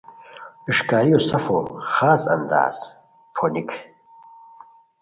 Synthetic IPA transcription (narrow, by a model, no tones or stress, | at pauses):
iʂkaːɾijosɐfoχaːzɐ̰nd̪a̰ːz̥ | pʰonikʰ